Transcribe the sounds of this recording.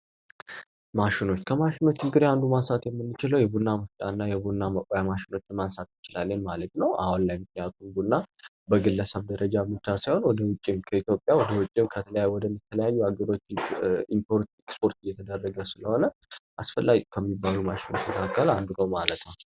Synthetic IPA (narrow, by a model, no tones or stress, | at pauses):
maʃɪno̞t͡ʃːkʰəmaʃɪno̞t͡ʃːɪnɡɨɾeand̪umansat̪jɛmːɨnːɨt͡ʃɪləwjɛbunːaməft͡ʃʼa̰nːajɛbunːaməkʼjamaʃɪno̞t͡ʃːɪnmansat̪jɪt͡ʃɪlalːənmalət̪nəwa̰hʊnlajmɨk̚nijat̪ʰumbunːa | bəɡɨlːəsəβd̪əɾəd͡ʒamɨt͡ʃːasajho̞nwɔd̪əwʊt͡ʃʼːɪmkʰəit̪jo̞pʼːjawɔd̪əwʊt͡ʃʼːɪmkʰət̪ʰələjajuwɔd̪əmːit̪ʰːələjajːuaɡəɾo̞t͡ʃːɪimpoɾt̪ikspʰo̞ɾt̪ɪjːɛt̪ʰəd̪ərːəɡəsɨləho̞nəʔasfəlːaɡʼikʰəmːibːalumaʃɪno̞t͡ʃːjɛkʰakʰːəland̪uɡəwmalət̪nəw